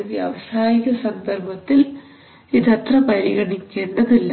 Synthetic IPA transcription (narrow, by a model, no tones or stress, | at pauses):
ʋjɐ̰ːʋɐsaːjiɣɐsɐnd̪ɐrbɐt̪ːil | iðɐt̪rɐpɐɾiɣɐɳikʲːe̞ːɳɖɐðilːɐ